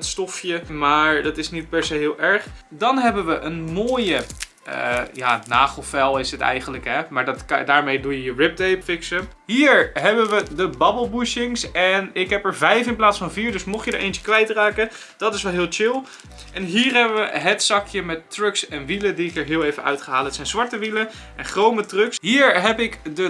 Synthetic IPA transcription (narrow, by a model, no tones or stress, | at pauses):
ətstɔfjəmaːɹdɑtɪsnit̚pɛɹsejɦɪːlˠʔɛɹχ | dɑnɦɛbənʋəʔənmoːjə | ə̰jaːnaːχəlˠfɛlˠɪsətɛ̰jχənləkɦɛmaːɹdɑtdaːɹmejdujəjərɪp̚dejpfɪksə | ɦiːɹɦɛbənʋədəbɑbəlˠbuʃɪŋsɛnɪkɦɛpəɹvɛjfɪnplaːtsfɑnviːɹdɵsmɔχtjədəʔejntə̥kʋɛjtraːkə | d̥ɑtɪsʋɛlˠɦɪːlˠt͡ʃɪlˠ | ʔɛnɦiːɹɦɛbəʋəɦətsɑkjəmɛtːrɵksɛnʋilədiɪkəɹɦɪːlˠejvənœ̰ɥtχəɦaːlɦətsɛjnzʋɑɹtəʋilə | ʔɛnχrowmətrɵksɦiːɹɦɛpɪkdə